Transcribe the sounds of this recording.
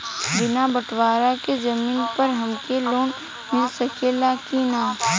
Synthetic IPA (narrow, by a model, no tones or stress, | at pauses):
bɪnabəʈwaːɾakezɐmiːnpɐɾɦɐmkeloːn | mɪlsɐkelaːkinaː